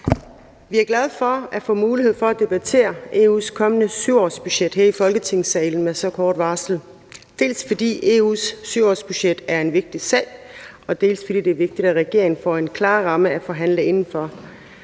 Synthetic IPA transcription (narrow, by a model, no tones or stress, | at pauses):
ʋiæɐɡ̥læð̞ˠfɒ̽æfɔ̰̽ːmuːlihe̝ð̰ˠfɒ̽æd̥e̝b̥æt͡sʰe̝̰ːɐe̝̰ːṵskʰɒ̽mənəsyʊɒ̰ːsb̥yɕed̥heɐifɒ̽lɡ̥ət͡sʰe̝ŋ̰sɛɪln̩mesɒ̽kʰɒːd̥ʋɑ̈sl̩ | d̥e̝̰ːlsfɒ̽d̥ḭːe̝̰ːṵːsːyʊɒ̰ːsb̥yɕed̥æɐe̝nʋe̝ɡ̥̚d̥isɛ̰ɪɒ̽d̥e̝̰ːlsfɒ̽d̥ḭːd̥e̝æɐʋe̝ɡ̥̚d̥id̥æʁɛɡ̥e̝ɐeŋn̩fɒ̰e̝nkʰlɑ̈ːʁɑ̈məæfɒ̽ɦæn̰ləe̝nn̩fɒ̽